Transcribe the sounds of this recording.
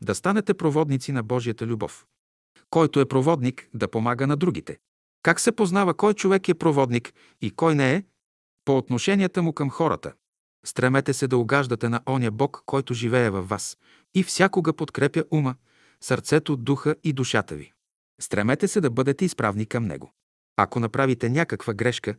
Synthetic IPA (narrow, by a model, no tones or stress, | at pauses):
d̪ɐst̪anɛt̪ɛpɾovɔd̪nit̪sinɐbɔʒijət̪əlʲubɔ̰f | kɔjt̪oɛpɾovɔd̪nikd̪ɐpomaɡənɐd̪ɾuɡ̟it̪ɛ̰ | kaksɛpoznavəkɔjt͡ʃovɛkɛpɾovɔd̪nik | ikɔjnɛː | poːt̪noʃɛnʲiət̪əmʊkɐmxɔɾə̰t̪ə̰ | st̪ɾɛmɛt̪ɛsɛd̪ɐʊɡaʒd̪ɐt̪ɛnɐʔɔniəbɔkːɔjt̪oʒivɛɛvɐfːas | ifsʲjakoɡəpot̪kɾɛpjəʔumə | sɐɾt̪sɛt̪od̪uxəid̪uʃat̪ə̰vḭ | st̪ɾɛmɛt̪ɛsɛd̪ɐbɤd̪ɛt̪ɛispɾa̰vnikɐmnɛ̰ɡo̰ | ɐ̰konɐpɾavit̪ɛnʲakəkvəɡɾɛʃkə